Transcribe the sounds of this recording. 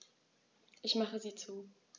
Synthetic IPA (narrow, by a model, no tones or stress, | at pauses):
ʔɪçmaχəziːt͡suː